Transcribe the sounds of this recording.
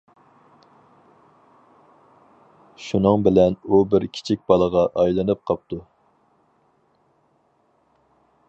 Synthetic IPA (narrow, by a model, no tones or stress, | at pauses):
ʃunɨŋbɪlɛnubɪɾkʲʰi̥t͡ʃʰik̚ʲbɑlˠəʁɑʔɑjlˠɨnɨp̚qʰɑp̚t̪ʰu